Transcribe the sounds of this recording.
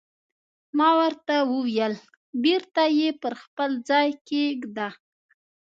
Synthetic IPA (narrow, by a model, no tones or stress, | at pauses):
mɑwəɾt̪awəwjəl | biɾt̪ajepəɾxpəld͡zɑjkeɡd̪a